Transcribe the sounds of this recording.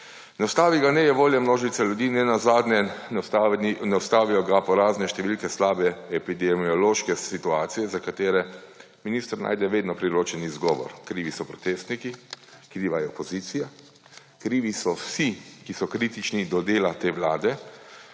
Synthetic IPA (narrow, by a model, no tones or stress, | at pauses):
nɛɔwst̪aːʋiɡanɛjɛʋoːljamnoːʒit̪saljud̪iːnɛnazad̪nɛ | nɛwst̪aːʋijɔɡapɔɾaːznɛʃt̪ɛʋilkɛslaːbɛɛpid̪ɛmiɔloːʃkɛsit̪uaːt̪sijɛzakat̪eːɾɛ | miniːst̪əɾna̰ːjd̪ɛʋeːd̪nɔpɾiɾoːt͡ʃɛnizɡɔːʋɔ̰ɾkɾiːʋisɔpɾɔt̪eːst̪nikikɾiːʋajɛɔpɔziːt̪sija | kɾiːʋisɔwsikisɔkɾiːt̪it͡ʃnid̪ɔd̪eːlat̪eːʋlaːd̪ɛ